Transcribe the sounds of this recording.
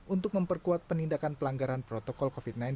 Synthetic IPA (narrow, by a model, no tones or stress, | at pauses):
ʔunt̪ʊk̚məmpərkuat̪̚pənindakanpəlaŋɡaɾanpɾot̪ɔkɔlkofit̪̚najn